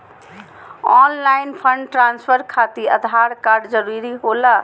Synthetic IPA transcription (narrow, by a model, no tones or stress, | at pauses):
ɔnlainpʰəɳɖʈɾanspʰəɾkʰat̪iəd̪ʱaɾkaɾɖd͡ʒəɾuɾiɦola